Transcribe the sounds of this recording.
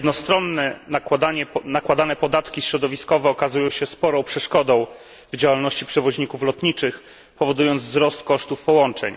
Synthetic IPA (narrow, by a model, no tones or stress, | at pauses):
d̪nɔst̪ɾɔnːɛawd̪aɲɛnakwad̪anɛpɔd̪at̪kʲiɕɾɔd̪ɔvʲiskɔvɛɔkazujɔ̃w̃ɕɛspɔɾɔ̃w̃pʂɛʂkɔd̪ɔ̃w̃ | vd͡ʑawalnɔɕt͡ɕipʂɛvɔʑɲikuflɔt̪ɲit͡ʂɘx | pɔvɔd̪ujɔnd̪zvzɾɔst̪̚kɔʂt̪ufpɔwɔnt͡ʂɛ̰ɲ